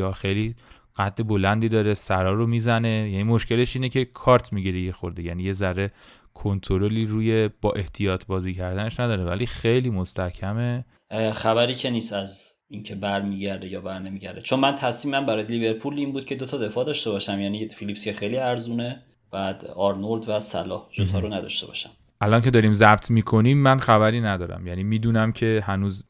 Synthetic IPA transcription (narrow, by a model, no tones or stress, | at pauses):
ɒːxejli | ɢ̥æt̪̚ːe̞bo̞lænd̪iːd̪ɒːɾe̞sæɾɒːɾomiːzæne̞jæniːmo̞ʃcʰe̞le̞ʃiːnecʰe̞kʰɒːɾt̪ʰmiɟiɾejexo̞ɾd̪ejæniːje̞zæɾe̞ | kʰont̪ʰoɾo̞liːɾuːje̞b̥ɒːʔe̞ht̪ʰijɒːt̪ʰbɒːziːcʰæɾd̪æne̞ʃnæd̪ɒːɾevæliːxe̞jliːmo̞st̪æcʰæme | xæβæɾiːcʰeniːst̪æz | incʰe̞bæɾmiːɟæɾd̪ejɒːbæɾne̞miːɟæɾd̪et͡ʃʰonmænt̪ʰæsmiːmæmbæɾɒːjeliːbe̞ɾpʰuːliːnbuːd̪̥̚cʰe̞d̪ot̪ʰɒːd̪e̞fɒːd̪ɒːʃt̪e̞bɒːʃæmjæniefilipscexejliæɾzuːne | b̥æd̪ɒɾnold̪væsæ̰lɒ̰ːhʒot̪ʰɒːɾonæd̪ɒ̰ʃt̪e̞̰bɒ̰ʃæm | ʔælɒːncʰe̞d̪ɒːɾiːmzæbt̪ʰmiːkʰo̞niːmːænxæβæɾiːnæd̪ɒːɾæ̰mjæniːmiːd̪uːnæmcʰe̞hænuːz